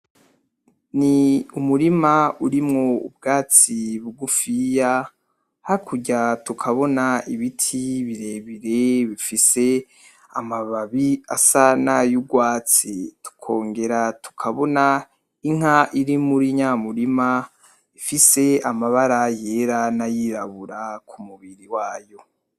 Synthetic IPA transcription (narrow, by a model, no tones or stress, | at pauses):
niumuɾimauɾimŋoṵbɡaːt͡siβuɡufija | haikʰuɟatukʰaβo̞naiβitʰiβiɾe̞βiɾeβifise̞ | a̰maβaβia̰sanajuɡwaːt͡situ̥kʰo̞ːŋɡe̞ɾatu̥kʰaβo̞na | iŋ̥aʔiɾimuɾiɲamuɾima | ifise̞amaβaɾaje̞ɾanajiɾaβuɾakʰumuβiɾiwaːjo̞